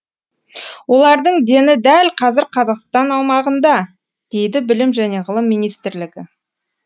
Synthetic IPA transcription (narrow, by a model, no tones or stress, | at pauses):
wo̞lˠɑɾd̪əɴd̪e̞nɪd̪ælqʰɑzɪɾqʰɑzɑqst̪ɑnɑwmɑʁənd̪ɑ | d̪̥e̞jd̪ɪbɪlɪmʒæne̞ʁəlˠəmːijnijst̪ɪɾlɪɡʲɪ